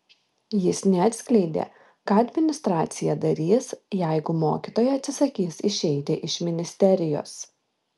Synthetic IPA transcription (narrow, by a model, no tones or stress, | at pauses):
jɪsnʲɛɐt̪ʲsʲkʲlʲɛɪd̪ʲḛː | kɑːɐd̪ʲmʲɪnʲɪst̪ɾɑːt̪sʲɪjɛd̪ɐɾʲiːsjɛɪɡʊmoːkʲit̪oːjɛɐt̪ʲsʲɪsɐkʲiːsɪʃʲɛɪt̪ʲɪʔɪʃʲmʲɪnʲɪsʲt̪ʲɛɾʲɪjo̰ːs